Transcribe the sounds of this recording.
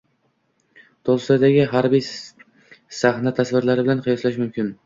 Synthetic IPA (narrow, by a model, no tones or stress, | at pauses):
t̪ʰolˠslad̪aɡʲɪɦaɾbij | sahnat̪ʰasvɪɾlaɾɪbɪlanqʰɨjɒslaʃmʊmkʲɪn